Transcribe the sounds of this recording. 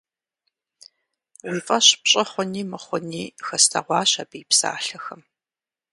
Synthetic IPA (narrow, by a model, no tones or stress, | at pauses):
ʁʷiːfʼɐɕpɕʼɐχʷɔniːmɐχʷɔniːxɐstʰɐ̰ʁʷɑːɕɐbiːpsa̰ːɬɐxɐm